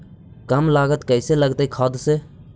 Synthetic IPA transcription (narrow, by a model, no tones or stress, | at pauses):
kəmlaːɡət̪kəɪseːləɡt̪aikʰaːd̪seː